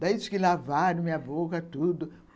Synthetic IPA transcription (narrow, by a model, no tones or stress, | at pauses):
d̪aid̪ikɪlavaɾ̃mĩɲɐbokɐt̪ud̪ʊ